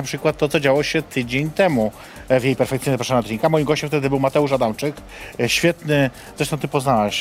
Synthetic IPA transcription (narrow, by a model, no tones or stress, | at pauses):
apʂɘkwat̪ːɔt̪sɔd͡ʑawɔɕɛt̪ʰɘd͡ʑeɲt̪ɛmu | vjejpɛɾfɛkt̪sʲiɲɛzapɾaʂamad̪̚d͡ʑʲiŋkamɔjimɡɔɕt͡ɕɛmft̪ɛd̪ɘbɘwmat̪ɛuʂad̪amt͡ʂɘk | ɕfʲjɛt̪nɘ | zɾɛʂt̪ɔ̃w̃t̪ɘpɔznawɛɕ